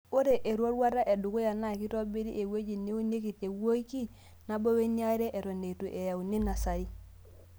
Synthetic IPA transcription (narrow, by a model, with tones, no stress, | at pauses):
o˦ɾe˨ʔe˨ɾwɔ˦ɾwa˦ɾa˦ʔe˨du˨ku˦ja˨na˦˨ki˦ɾɔ˦bi˦ɾi˦ʔe˨we˦d͡ʒi˨ni˦o˦ne˦k̬i˨te˨wo˦i˦ki˦ | na˦bo˦we˦ni˦a˦i˦ɾe˦ʔe˨ɾo˨ne˨tu˨ʔe˨ja˨u˨ni˦na˨sa˨ɾi˦